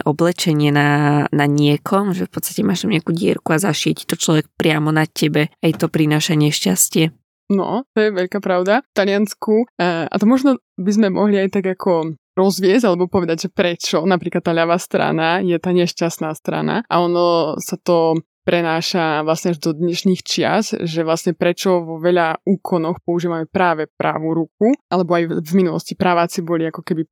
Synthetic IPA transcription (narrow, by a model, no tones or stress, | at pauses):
ʔɔblɛt͡ʃɛɲɪɛnanaɲɪɛkʰɔmʒɛfpɔt̪st̪ḁcɛmaːʃt̪amɲɪakuɟɪɛ̰ɾkuazaʃɪɛci̥t̪ɔt͡ʃlɔʋɛk̚pɾɪamɔnacɛbɛajt̪ɔpɾinaːʃaɲɛʃcascɪɛ | nɔ̰t̪ɔjɛʋɛʎkaːpɾaʊd̪aft̪alɪanskua̰t̪ɔmɔʒnɔ | bizmɛmʔɔ̰ɦliajt̪aɡakʰɔ | ɾɔzʋɪɛzɟalɛbɔpɔʋɛd̪aɟʒɛpɾɛt͡ʃɔnapɾiːklat̪ːaːʎaʋaːst̪ɾa̰najɛt̪aːɲɛʃcasnaːst̪ɾa̰na̰ʔa̰ɔnɔsat̪ɔ | pɾɛnaːʃaʋlasɲɛaʒd̪ɔd̪ɲɛʃɲiːxt͡ʃɪa̰sʒɛʋlasɲɛpɾɛt͡ʃɔʋɔʋɛʎauːkʰɔnɔxpɔuʒiːʋamɛpɾaːʋɛpɾʔa̰ːʋuɾukuʔalɛbɔajvminulɔ̰scipɾaʋaːt͡sibɔliakɔkɛbi